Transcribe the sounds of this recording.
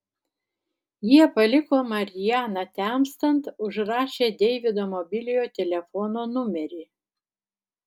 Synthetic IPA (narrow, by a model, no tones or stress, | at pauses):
jiɛpɐlʲɪkoːmɐɾʲɪjæːnɐt̪ʲæmst̪ɐnt̪ʊʒɾɑːʃʲeːd̪ʲɛɪʋʲɪd̪oːmɔbʲɪlʲɪjoːt̪ʲɛlʲɛfɔnoːnʊmʲɛɾʲeː